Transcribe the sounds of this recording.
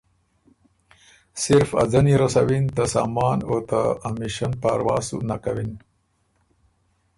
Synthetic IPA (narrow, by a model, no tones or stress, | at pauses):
siɾfa̰d͡zɐniɾɐsɐwint̪asa̰ːmɑːnoːt̪aːmiʃɐnpaɾwa̰ːsṵnakawin